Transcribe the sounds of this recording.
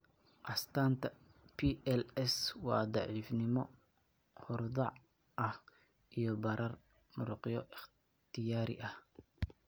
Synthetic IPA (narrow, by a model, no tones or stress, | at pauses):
ʔɐst̪ʰaːnt̪ʰɐ | pʰiɛlɛswɑ̰ːd̪ɑʕiːfnɪmɔ | hʊrd̪ɑʕ | ʔɐh | ʔijɔbɐɾʔɐr | mʊɾʊqɪjɔʔɪχ | t̪ʰɪjaːɾɪ̰ʔɐh